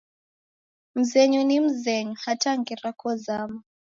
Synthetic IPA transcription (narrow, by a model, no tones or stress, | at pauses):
m̩zɛɲunim̩zɛɲuhataŋɡiɾakɔzama